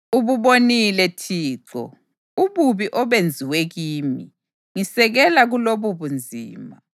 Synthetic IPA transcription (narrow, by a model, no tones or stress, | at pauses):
uβuβonilɛtʰiːǁɔ̰ | uβuβiʔɔβend͡zʱiweɣiːmi | ŋisɛɣɛlaɣuloβuβund͡zʱiːma